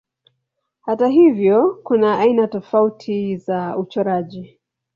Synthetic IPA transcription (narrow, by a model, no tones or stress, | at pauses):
hataɦivjɔkunaʔːinatɔfautʰizaut͡ʃɔɾaʄi